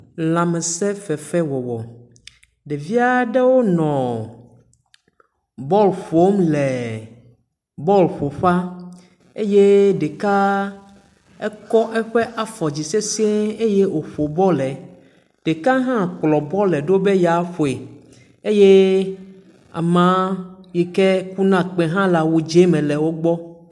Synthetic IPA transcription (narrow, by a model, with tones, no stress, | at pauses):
lã˨mɛ˨sɛ˦fɛ˨fɛ˦wɔ˨wɔ˨ | ɖɛ˨vi˦a˨ɖɛ˦wo˦nɔ̃˨ | bɔ˦lɸo˦mlɛ˨ | bɔ˦lɸo˨ɸa˦ | e˦je˦ɖe˨ka˦ | ɛ˦kɔ˦ʔɛ˦ɸɛ˦ʔa˨fɔ˨d͡ʑi˨se˦si˦e˦e˦je˦wo˨ɸo˨bɔ˦lɛ˨ | ɖ̥e˨ka˦ɦã˦k͡plɔ˨bɔ˦lɛ˨ɖo˦be˦ja˨˦ɸo˨e˨ | e˦je˦ | a̰˨mã˦ji˨kɛ˦ku˦nã˦k͡pɛ̃˨ɦã˦la˨wu˨d͡ʒe˦mɛ̃˨lɛ˨wo˦ɡ͡bɔ˦